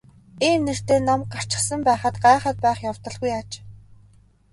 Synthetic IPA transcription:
iːmner̥t̪eːnamkar̥t͡ɕɪ̆χsə̆mpæːχə̆t̪ɢaːχə̆t̪̚pæːχjawt̪ɞ̆ɮɣujat͡ɕ

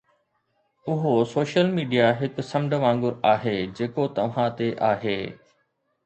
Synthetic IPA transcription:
ʊɦosoːʃəlmiːɖijaɦɪkʊ̆sɐmɖʱəʋãːŋɡʊɾaːɦeːd͡ʑeːkot̪ɐʋ̤ãt̪eʔaːɦeː

